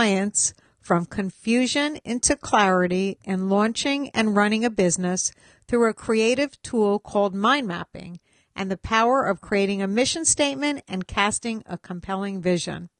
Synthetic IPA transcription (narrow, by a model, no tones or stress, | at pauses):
ɪɨ̃ns | fɹʌ̃mkʰɨ̃ɱfjʉʒɨ̃nɪ̰̃ntʰʉkʰl̥æɹɨɾiʔɨ̃nlɔ̃nt͡ʃɪ̃ŋɨ̰̃nɹʌnɪ̃ŋɨbɪznɨs | θɹʉɨkʰɹ̥ieɪɾɨv̥tʰulˠkʰɔlˠd̚mãɪ̃nmæ̰pɪ̰̃ŋ | ʔɨ̃nðɨpʰaʊə˞ʔʌv̥kʰɹ̥ieɪɾɪ̃ŋɨmɪʃɨ̃nsteɪt̚mɨ̃ntɨ̃nkʰæstɪ̃ŋə̰kʰə̃m̩pʰɛlˠɪ̃ŋvɪʒɨ̰̃n